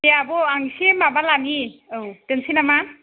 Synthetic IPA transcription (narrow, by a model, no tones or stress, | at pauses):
jaabɔaŋsemabalaniɯwtensinama